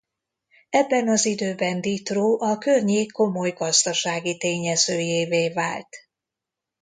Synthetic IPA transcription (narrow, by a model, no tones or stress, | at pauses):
ɛbːɛnɒzid̪øːbɛnd̪it̪roːʔɒkørɲeːkːo̞mo̞jɡɒzd̪ɒʃaːɡit̪eːɲɛz̥øːjeːveːvaːlt̪